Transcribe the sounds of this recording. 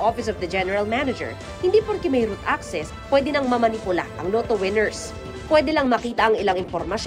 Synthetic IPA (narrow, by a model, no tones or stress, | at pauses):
ʔofɪsɔvd̪ɐd͡ʒɛnɛɹɐlmanɐd͡ʒɛ̰ɹ | hɪnd̪ipoɾkɛmɐjɾut̪ʔaksɛspwɛd̪ɪnɐŋmɐmɐnipʊla̰ʔɐ̰ŋloːt̪owɪnɛɹs | pwɛd̪ɛlɐŋmɐkiːt̪ɐʔɐŋɪlaŋɪnfoɾmɐʃ